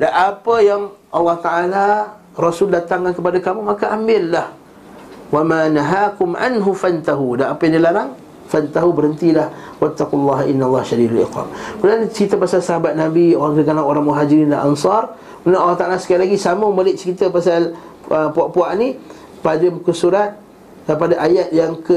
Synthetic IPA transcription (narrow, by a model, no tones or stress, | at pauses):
daʔapəjaŋʔɑlːɑht̪aʔala | rɔsʊldat̪aŋkankəpadakamumakaʔambɪlːah | wamanaɦaːkʊmʔa̰nɦufant̪aɦudanapəjadilaɾaŋ | fant̪aɦubəɾənt̪ilahwat̪ːaqulːɑɦʔinːalˤːɑhʃadidalɪ̰xa̰mkudant͡ʃəɾit̪əpasalsaɦabat̪̚nabioɾaŋkədəkanaŋoɾaŋmuɦad͡ʒiɾindanʔa̰nsɑr | kənaʔalːaht̪aʔalasəkajalaɡisaməbalɪʔ̚t͡ʃəɾit̪əpasal | əpuaʔpuaʔni | padamukəsuɾat̪̚ | dapadaʔajat̪̚jaŋkə